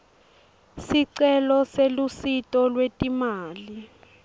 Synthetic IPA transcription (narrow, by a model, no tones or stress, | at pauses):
siǀɛlɔselusitʼɔlwetʼimaːli